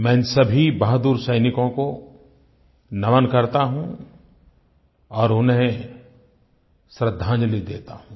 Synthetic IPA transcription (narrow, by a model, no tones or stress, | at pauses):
mɛ̃ːsɐbʱibaɦd̪uːɾsɐjnɪkõko | nɐʋənkɐɾt̪aɦũ | ɔːɾʊnɦẽ | sɾəd̪ʱːãːɲd͡ʒlid̪ḛːt̪aɦũː